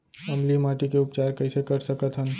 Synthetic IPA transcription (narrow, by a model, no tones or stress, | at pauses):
əmlimaːʈikeʊpt͡ʃaːɾkəɪsekəɾsəkət̪ɦən